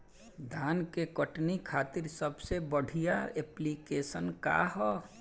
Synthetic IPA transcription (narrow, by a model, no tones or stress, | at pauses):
d̪ʱaːnkekəʈnikʰaːt̪ɪɾsəbsebəɽ̤ʱijaeːplikeːsənka̰ɦɔ